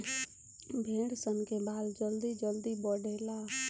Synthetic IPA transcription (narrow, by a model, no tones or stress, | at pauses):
bʱeːɽsənkebaːld͡ʒəld̪id͡ʒəld̪ibəɖeːlaː